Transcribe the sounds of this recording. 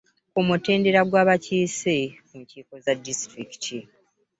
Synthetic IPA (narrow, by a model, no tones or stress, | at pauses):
omute̞ːnde̞ɾaɡwaːβaciːsekuɲciːko̞zadːistɾiki̥tʰi